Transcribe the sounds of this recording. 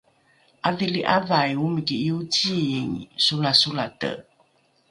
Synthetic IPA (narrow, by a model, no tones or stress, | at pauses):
ʔaviliʔavajumiɡiiutiiŋsulasulatə̰